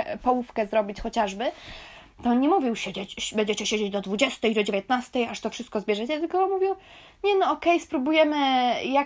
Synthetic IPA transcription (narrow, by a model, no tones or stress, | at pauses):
pɔwufkɛzɾɔbʲit͡ɕxɔt͡ɕaʐbɘ | t̪ɔnɲɛmuvʲiwɕɛd͡ʑet͡ɕbɛɲd͡ʑɛt͡ɕɛɕed͡ʑed͡ʑd̪ɔd̪vud͡ʑɛst̪ɛjd̪ɔd͡ʑevʲjet̪̚nast̪ɛjaʂt̪ɔfʂɘst̪̚kɔzbʲjɛʐɛt͡ɕɛt̪ɘlkɔmuvʲiw | ɲɛnɔɔkɛjspɾubujɛmɘja